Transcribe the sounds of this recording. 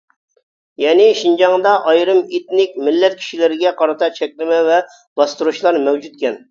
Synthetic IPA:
jɛnɪʃind͡ʒɑŋd̪ɑʔɑjɾɨmet̪nɪkʲmɪlːɛt̪̚kʲʰi̥ʃilɪɾɪɡʲɛqʰɑɾɨt̪ʰɑt͡ʃʰɛkʲlɪmɛvɛ | b̥ɑst̪uɾuʃlˠɑɾmɛwd͡ʒut̪̚kʲɛn

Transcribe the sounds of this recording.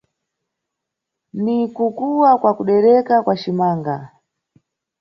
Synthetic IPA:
nikukuwakwakuɗɛɾɛkakwat͡ʃimaːŋɡa

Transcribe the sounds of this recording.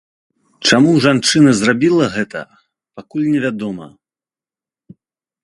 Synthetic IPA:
t͡ʂamuʐant͡ʂɨnɐzrabʲilˠɐɣɛt̪ɐ̰ | pakulʲnʲɛvʲad̪ɔmɐ̰

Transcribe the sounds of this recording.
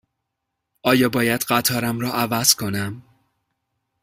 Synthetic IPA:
ʔɒːjɒːbɒːjæd̪ɢæt̪ʰɒːɾæmɾɒːʔævæz̥kʰo̞næm

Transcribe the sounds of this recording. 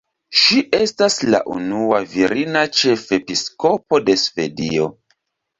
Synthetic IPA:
ʃiʔe̞stasla̰ʔṵnuaviɾinat͡ʃe̞fe̞pisko̞po̞de̞sve̞̰dio̞

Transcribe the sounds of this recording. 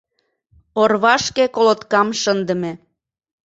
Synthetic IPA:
orβɑʃkekolot̪kɑmʃənd̪ə̆me

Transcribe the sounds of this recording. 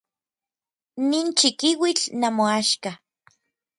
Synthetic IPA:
niːnt͡ʃikiwit͡ɬnamoaʃka

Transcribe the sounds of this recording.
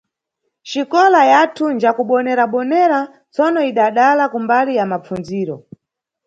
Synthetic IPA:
ʃikɔlajatʰund͡ʒakuɓɔnɛɾaɓɔnɛɾa | t͡sɔnɔiɗaɗalakumbalijamap͡fund͡ziːɾɔ

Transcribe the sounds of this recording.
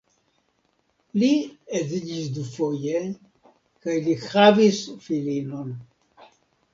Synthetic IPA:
liezid͡ʒisd̪ufo̞je | kajlihavisfilino̞n

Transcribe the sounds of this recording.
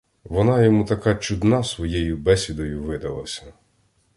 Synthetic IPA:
ʋɔnɑjɔmut̪ɐkɑt͡ʃud̪nɑsʋɔjɛjʊbɛsʲʋʲid̪ɔjʊʋɪd̪ɐlˠɐ̰sʲɐ̥

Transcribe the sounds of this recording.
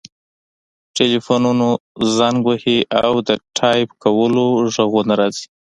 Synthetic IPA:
ʈelifonunozaŋɡwahiʔawd̪əʈʰɑjpkawəloʒaɣonaɾɑzi̥

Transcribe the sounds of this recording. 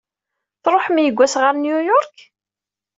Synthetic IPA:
θɾˤoħmjəɡʷːæsʁəɾnjujɔɾˤk

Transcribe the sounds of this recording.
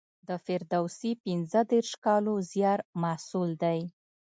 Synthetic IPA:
d̪əfɪɾd̪awsipɪnzəd̪eɾʃkɑlozjɑɾmasuld̪aj

